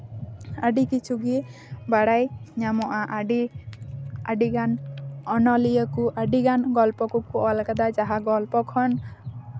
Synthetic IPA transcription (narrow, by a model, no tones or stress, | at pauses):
aɖikit͡ʃʰuɡi | baɽajɲamɔʔaʔaɖi | aɖiɡanɔnɔlijəkuʔaɖiɡanɡɔlpɔkukuʔɔlkad̪ad͡ʒaɦaɡɔlpɔkʰɔn